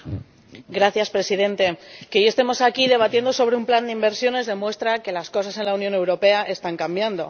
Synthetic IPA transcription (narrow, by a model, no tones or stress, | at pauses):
ɡɾaθjaspɾe̞sið̞e̞nt̪e̞keʝest̪e̞mo̞sakiðe̞β̞at̪jend̪o̞so̞βɾeumpland̪eimbe̞ɾsjo̞ne̞zðe̞mwe̞st̪ɾake̞lasko̞sase̞nlaunjo̞ne̞wɾo̞pe̞aʔe̞st̪aŋkambjand̪o̞̰